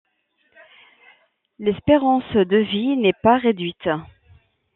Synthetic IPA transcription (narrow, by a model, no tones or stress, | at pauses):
lɛspeʁɑ̃sd̪əvinɛpaʁed̪ɥit̪